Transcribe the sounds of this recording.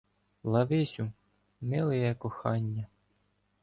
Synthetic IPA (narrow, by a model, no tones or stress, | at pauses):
lˠɑʋɪsʲu | mɪlˠɪjɛkɔxɑnʲːɐ